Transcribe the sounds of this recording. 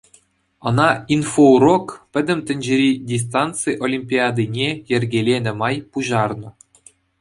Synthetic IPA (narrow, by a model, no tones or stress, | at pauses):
ɤ̆nɑinforokpʲɘ̆d̪ʲɘ̆mʲt̪ʲɘ̆nʲd͡ʑɘ̆ɾʲidʲis̬t̪ɑnt̪t͡sɨʔolʲimʲpʲiɑd̪ɨnʲejɘ̆rʲɡʲelʲenʲɘ̆mɑjpuʑɑrnɤ̆